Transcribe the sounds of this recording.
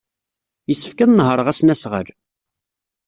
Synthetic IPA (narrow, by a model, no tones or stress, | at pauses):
jəsːə̥fkæðnəɦəɾˤəʁæsnæsʁə̰ɾ